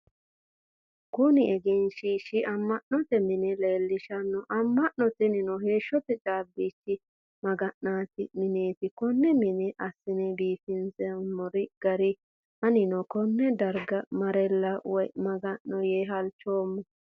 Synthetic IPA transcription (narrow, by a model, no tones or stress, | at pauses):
kʊnɪɛɡɛnʃiːʃɪʔɐmːɐʔnɔt̪ɛmɪnɛleːlːɪʃɐnːɔʔɐmːɐʔnɔt̪ɛnɪnɔhe̞ːʃːɔt̪ɛt͡ʃʼaːbːiːt͡ʃːɪ | mɐɡɐnnaːt̪ɪmɪneːt̪ɪkɔnːɛmɪnɛʔɐsːɪnɛbiːfɪnzɛɐmːɔɾɪɡ̥ɐɾɪ | hɐnɪnɔkɔnːɛd̪ɐɾɡɐmɐɾɛlːɐwɔjmɐɡɐnːɔjeːɦɐlt͡ʃːoːmːɔ